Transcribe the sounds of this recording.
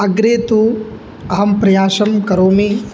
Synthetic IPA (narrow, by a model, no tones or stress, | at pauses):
ɐɡɾeːt̪u | ɐɦɐmpɾɐjaːʃɐmkɐɾoːmi